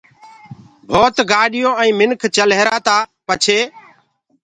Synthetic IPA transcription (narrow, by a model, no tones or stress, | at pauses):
bʱoːt̪ɡaːɗɪjõːɛ̃ĩːmɪnkʰt͡ʃəleːɾaːt̪aːpət͡ʃʰeː